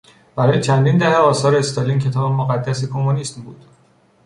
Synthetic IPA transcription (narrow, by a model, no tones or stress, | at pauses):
b̥æɾɒːje̞t͡ʃʰænd̪ind̪æheɒːsɒːɾeːst̪oliːncʰe̞t̪ʰɒːbemoɣæd̪ːæsekʰo̞moniːsmbṵːd̪̥